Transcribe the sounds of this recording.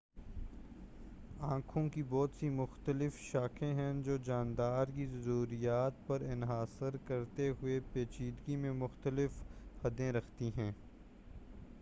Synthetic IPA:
ãːkʰõkibɔːt̪simʊxt̪əlɪfʃaːkʰẽɦɛ̃d͡ʒoːd͡ʒaːnd̪aːɾkizɐɾuːɾijaːt̪̚pɐɾɪnɦaːsəɾkɐɾt̪eɦʊepeːt͡ʃiːd̪ɡimẽmʊxt̪əlɪfhɐd̪ẽɾɐxʰt̪iɦɛ̃ː

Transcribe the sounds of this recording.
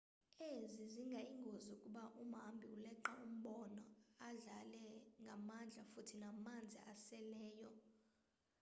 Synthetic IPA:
eziziŋɡʱaiŋɡʱoziukʼuɓaʔum̤ambʱiulɛǃaum̩ɓɔnɔaɮalɛŋɡʱamand͡ɮʱafutʰinamand͡zʱiasɛlɛːjɔ

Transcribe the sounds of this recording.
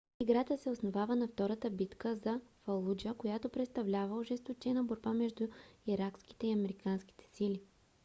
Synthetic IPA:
iɡɾat̪əsɛosnovavənɐft̪ɔɾət̪əbit̪kəzɐfɐlˠud͡ʒəkojat̪opɾɛt̪st̪ɐvlʲavəʒɛst̪ot͡ʃɛnəboɾbamɛʒd̪ʊiɾaksk̟i̥t̪ɛiɐmɛɾikanskʲi̥t̪ɛ̥silʲi

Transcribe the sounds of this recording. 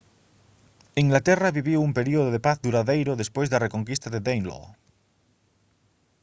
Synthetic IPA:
iŋɡlat̪eraβiβioumpe̞ɾioð̞oðepaθd̪uɾaðejɾoðe̞spwezðare̞koŋkist̪aðeðejnlo̰

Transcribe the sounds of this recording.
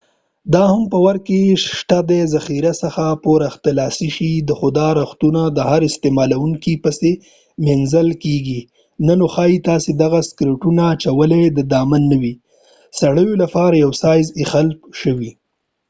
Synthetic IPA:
d̪ɑhampəwaɾkeʃʈ̪ad̪ezaxiɾasəxapoɾɪxt̪ɪlɑsiʃid̪əxʊd̪ɑɾaxt̪unad̪əhaɾɪst̪emɑlawuŋkipəse | menzəlkeɡi | nanoxɑjit̪ɑsed̪aɣaskɾɪʈunaːt͡ʃawəled̪əd̪ɑmanːawi | saɽəjolapɑɾajawsɑjzɪxalpʃəwi

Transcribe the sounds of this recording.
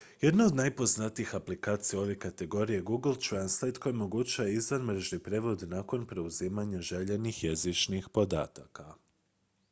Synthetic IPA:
jed̪nao̞d̪najpo̞znat̪iixaplikaːt̪sijao̞ʋe̞kat̪e̞ɡo̞ɾije̞ɡuɡlˠt̪ɾanslˠejt̪ko̞jimo̞ɡut͡ɕaʋaizʋanmɾeʒnipɾe̞ʋo̞d̪nako̞npɾe̞uziːmaɲaʒe̞ʎe̞nixjezit͡ʃnixpo̞d̪a̰ːt̪a̰ka

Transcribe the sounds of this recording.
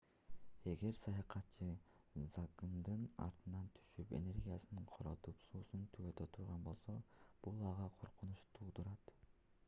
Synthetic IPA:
e̞ɡe̞ɾsɑjɑqɑt̪t͡ʃːɯ | zɑkɯmd̪ɯnɑ̰ɾt̪ɯnɑnt̪ʰy̥ʃype̞̰ne̞ɾɡʲijasɯnɯɴqʰo̞ɾot̪upsuːsunt̪ʰyɡøt̪ʰø̞t̪ʰuɾʁɑnbo̞lˠso̞b̥ulˠɑʁɑqʰo̞ɾqʰunuʃt̪ʰuːd̪uɾɑt̪

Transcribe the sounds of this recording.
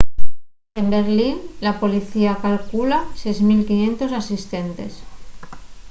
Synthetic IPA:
e̞mbe̞ɾlinlapo̞liθiakalkulasejzmilkinjẽ̞nt̪o̞sasist̪e̞nt̪e̞̰s

